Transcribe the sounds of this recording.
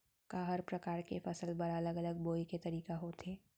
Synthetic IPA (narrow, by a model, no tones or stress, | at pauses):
kaɦəɾpɾɐkaːɾkefɐsəlbɐɾɐləɡɐləɡ̚boːiket̪ɐɾiːkaɦot̪ʰeː